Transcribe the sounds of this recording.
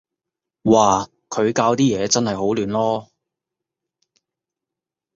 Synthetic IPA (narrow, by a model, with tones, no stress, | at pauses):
waː˨˩ | kʰɵ˨˧ɥkaː˧wt̪iː˥jɛː˨˧t͡sɐ˥nhɐ˨jho˨˥wlyː˨˧nlɔː˥